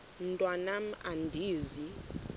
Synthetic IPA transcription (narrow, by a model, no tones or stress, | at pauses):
n̩tʼwanam̩a̰ndʱiːzi